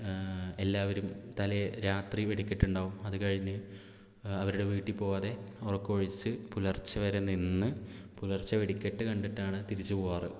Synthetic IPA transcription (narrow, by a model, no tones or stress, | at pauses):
e̞lːaːʋɐɾumt̪ɐleɾaːt̪riʋeɽikʲːiʈːuɳɖaːʋumɐðukɐɻiɲːɨ | ɐʋɐɾuɽe̞ʋiːʈːipːo̞ːɐðe̞orɐkːo̞ːɻit͡ɕːɨpulɐrt͡ɕːɐʋɐɾeninːɨpulɐrt͡ɕːɐʋeɽikʲːeʈːɨkɐɳɖiʈːaːɳɨt̪iɾit͡ɕːuuaːrɨ